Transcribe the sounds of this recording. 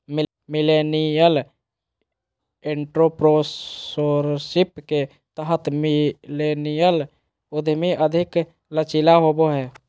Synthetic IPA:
m | mɪlenijəl | eɳʈɾopɾosoɾsɪpke | t̪əɦət̪milenijəl | ʊd̪ʱmiʔəd̪ʱɪk | lət͡ʃilaɦoboɦɛː

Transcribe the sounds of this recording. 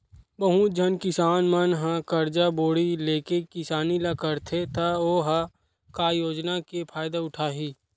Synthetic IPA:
bəɦũd͡ʒənkɪsaːnmənɦãkəɾd͡ʒaboːɽileːkekɪsaːnilakəɾt̪ʰet̪aoːɦa | kajoːd͡ʒnakepʰaːjd̪aʊʈʰaːɦiː

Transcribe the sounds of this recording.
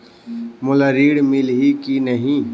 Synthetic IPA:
mʊlaɾiːɽmɪlɦikinəɦĩ

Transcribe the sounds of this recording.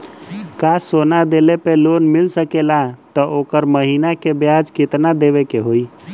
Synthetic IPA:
kasonad̪elepelonmilsəkelat̪əokəɾməɦinakebjad͡ʒket̪nad̪eβekeɦoj

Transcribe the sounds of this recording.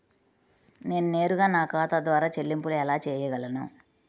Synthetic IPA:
ne̞ːnune̞ːɾuɡaːnaːkaːt̪ad̪ʋaːɾaːt͡ʃelːimpuluɛlaːt͡ʃɛːjɐɡɐlɐna̰ː

